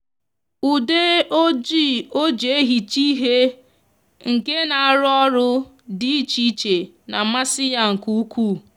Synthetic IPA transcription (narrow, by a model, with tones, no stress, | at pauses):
u˨de˦o˦d͡ʒi˦˨o˦d͡ʒe˨e˦ɦi˨t͡ʃi˦ɦe˦ | ŋ̩˨ke˦na˨a˨ɾʊ˦ɔ˦ɾʊ˦ | di˦i˦t͡ʃi˦t͡ʃe˨ | na˨ma˦sɪ˦ja˨ŋ̩˨ku˦u˦ku˦˨